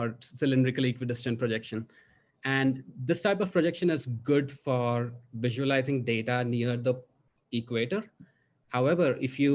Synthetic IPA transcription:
ɔɾsɪlɪ̃nɖɾɪkəliːkʋɪɖɪsə̃npɾod͡ʒɛkʃə̃n | æ̃ɳɖd̪ɪsʈaɪpɔʋpɾod͡ʒɛkʃə̃nɪzɡʊɖfɔːɾʋɪʒuəlaɪzɪ̃ŋɖeːʈaniːəɾd̪ə | iːkweːʈəɾ | haʊɛʋəɾɪfjuː

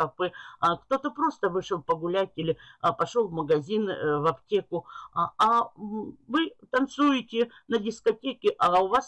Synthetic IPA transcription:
ɐpɨkt̪o̞t̪əpɾo̞st̪əvɨʂɨlˠpəɡʊlʲætʲɪlʲɪpɐʂo̞lˠvməɡɐzʲinvɐptʲekʊɐ | vɨt̪ɐnt̪sujɪtʲɪnədʲɪskɐtʲekʲɪʔɐʊvas

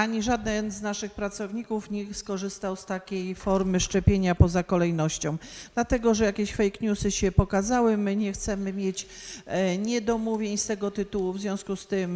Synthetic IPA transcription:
aɲiʐad̪nɛnznaʂɘxpɾat̪sɔvɲikufɲixskɔʐɘst̪awst̪akʲejfɔɾmɘʂt͡ʂɛpʲjeɲapɔzakɔlɛjnɔɕt͡ɕɔ̃w̃d̪̥lat̪ɛɡɔʐɛjakʲeɕfɛjkɲʲusɘɕɛpɔkazawɘmɘɲɛxt̪sɛmɘmʲjet͡ɕ | ɲɛd̪ɔmuvʲjeɲst̪ɛɡɔt̪ɘt̪uwuvzvʲjɔ̃w̃skust̪ɘm

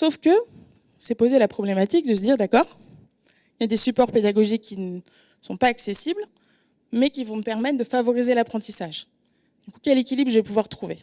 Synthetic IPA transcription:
sofkə | sɛpozelapχɔblɛmat̪ik̚d̪əs̬əd̪iʁd̪akɔːʁ | iljad̪esypɔʁped̪aɡɔʒikʲːin | sɔ̃paaksesibl | mɛkʲivɔ̃məpɛʁmɛt̪χd̪əfavɔʁizelapχɑ̃t̪isaʒ | d̪ykukʲɛlekʲilibʁʒəvɛpuvwaʁt̪χuve

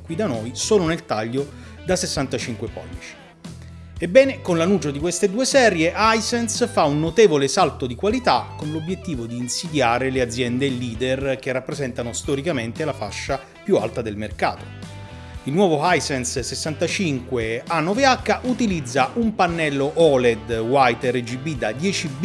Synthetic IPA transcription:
kwid̪anojsoːlonelt̪aʎːo | d̪asesːant̪at͡ʃiŋkwepɔ̰lːit͡ʃi̥ | ebːɛːnekonlanuːt͡ʃod̪ikwest̪ed̪uːesɛːɾjeʔajsɛnsfaunːot̪eːvolesalt̪od̪ikwalit̪akonlobjet̪ːiːvod̪iːnsid̪jaːɾelead̪zːjɛnd̪elːiːd̪erk̟erːapːɾezɛnt̪anost̪ɔɾikament̪elafa̰ʃːa | pjua̰lt̪ad̪elmerka̰ːt̪o̥ | ilnwɔːvoajsɛnssesːant̪at͡ʃiŋkweanːɔveakːaʔut̪ilid̪zːaʔumpanːɛlːoʔɔled̪wajt̪ered͡ʒibid̪ad̪jɛːt͡ʃib

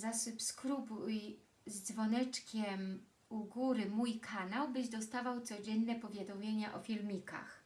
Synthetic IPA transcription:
zasupskɾubuj | zd̪zvɔnɛt͡ʂkʲɛm | uɡuɾɘmujkʰanawbɘʑd̪ɔst̪avawt̪sɔd͡ʑɛnːɛpɔvʲjad̪ɔmʲjeɲaʔɔfʲilmʲika̰x

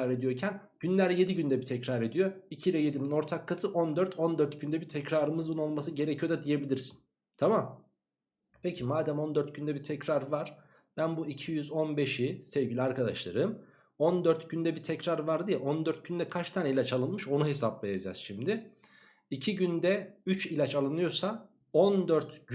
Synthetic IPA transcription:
aɾe̞d̪ijo̞ɾcʰæn | ɟ̥ynlʲæɾje̞d̪iɟynd̪ɛbit̪ʰɛcɾaɾe̞d̪ijo̞icʰiːlʲɛje̞d̪inino̞ɾt̪ʰakʰːat̪ʰɯʔo̞nd̪øɾt̪ʰo̞nd̪øɾt̪ɟynd̪ɛbit̪ʰɛcɾaːɾɯmɯzbuno̞lˠmas̬ɯɟe̞ɾecʰijo̞d̪ad̪ije̞bilʲiɾsi̥n | t̪ʰamam | pʰecʰimaːd̪æmo̞nd̪øɾt̪̚ɟynd̪ɛbit̪ʰɛcɾaɾvaɾ̥ | b̥ænbuicʰijyzo̞nbe̞ʃisevɟilʲaɾkʰad̪a̰ʃlˠa̰ɾɯm | ond̪øɾt̪ɟynd̪ɛbit̪ʰɛcɾaɾvaɾd̪ijɛʔond̪øɾt̪̚ɟynd̪ɛkʰat͡ʃt̪ʰaːnilʲat͡ʃalˠɯnmɯʃo̞nuɦe̞saplˠejad͡ʒa̰z̥ʃimd̪ɪ | icʰiɟynd̪ɛyt͡ʃilʲat͡ʃalˠɯnɯjo̞sa | ond̪øɾt̪

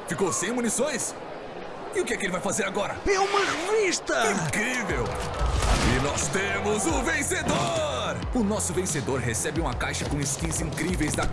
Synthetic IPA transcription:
fikowsẽj̃munisõj̃s | ɪʊkɪɛkelɪvajfazeɾaɡɔɾɐɛũmɐaɾmiʃt̪ɐĩkɾivewa̰linɔst̪ẽmʊzʊvẽsed̪o | ɾ | ʊnɔsʊvẽsed̪oɾɦesɛbɪũmɐkajʃɐkõɪskĩzĩŋkɾivejzd̪ɐ

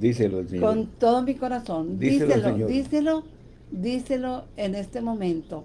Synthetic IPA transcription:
d̪iseloskont̪oðomiko̞ɾasond̪iselod̪iselo | d̪iselo̞ene̞st̪emõ̞mẽnt̪o

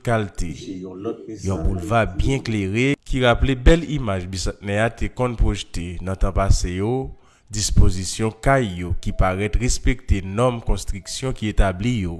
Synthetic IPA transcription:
kalt̪ʰe | jɔ̃bulvabjɛ̃kleʁekʰiɣaplebɛlimaʒbisɛ̃tnɛat̪ʰekɔ̃npʁoʒtenɐ̃t̪ãpasejo | dispozisjɔ̃kajːokipaʁɛt̪ʁespek̚t̪enɔmkɔ̃st̪ʁiksjɔ̃kiet̪ablijo

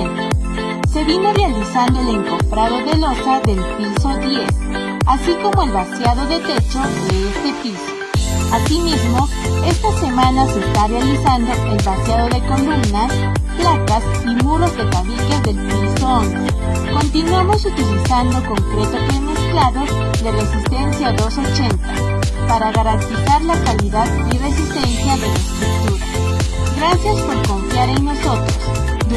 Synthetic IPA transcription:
se̞βino̞realisand̪o̞ele̞ŋkomfɾaðo̞ðe̞lo̞saðe̞lpiso̞ðje̞s | asiko̞mo̞e̞lβasjað̞o̞ðe̞t̪e̞t͡ʃo̞d̪e̞est̪e̞piso̥asimizmo̞e̞st̪ase̞mãnaseest̪arealisand̪o̞ʔe̞lβasjað̞o̞ðe̞ko̞lumnas | plak̪as | imuɾo̞zðe̞t̪aβike̞zðe̞lpilsoŋ | ko̞nt̪inwamo̞sut̪ilisand̪o̞ko̞ŋkɾet̪opɾemesklaðo̞ | ðere̞sist̪e̞nsjaðo̞so̞t͡ʃe̞nt̪a | paɾaɣaɾant̪isaɾlakaliðaðire̞s̬ist̪e̞nsjaðelest̪ɾuk̚t̪uɾa | ɡɾasjaspo̞ɾko̞ɱfjaɾeŋno̞so̞t̪ɾos

